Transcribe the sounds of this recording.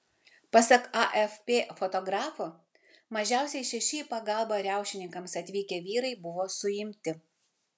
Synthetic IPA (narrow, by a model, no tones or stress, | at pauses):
pɐsɐkɐʔɛfpʲeːfɔt̪ɔɡɾɑːfʊ | mɐʒʲæˑʊsʲɛɪʃʲɛʃʲɪpɐɡɐˑlˠbɐɾʲæˑʊʃʲɪnʲɪŋkɐmsɐt̪ʲʋʲiːkʲeːʋʲiːɾɐɪbʊʋoːsʊjɪmʲt̪ʲɪ